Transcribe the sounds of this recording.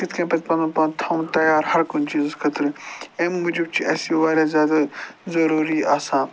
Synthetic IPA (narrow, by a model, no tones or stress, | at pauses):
kɪt̪kɐ̃ːpɐt̪pɐnupɐ̃t̪ʰãːw̃t̪ɐjaːɾhɐɾkʊnt͡ʃiːzzkʰɐt̪ɾemːʊd͡ʒib̚t͡ʃiʔɐːsiʋaːɾʲjaːzjaːd̪azɐɾuːɾiːaːsãː